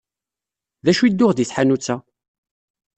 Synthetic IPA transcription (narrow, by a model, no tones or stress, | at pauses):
ðæʃuid̪ːʊʁd̪iθħanut͡sːæ